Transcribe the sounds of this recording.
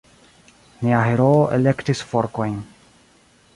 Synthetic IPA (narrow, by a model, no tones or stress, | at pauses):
niaɦeɾoːʔele̞ktisfoɾko̞jn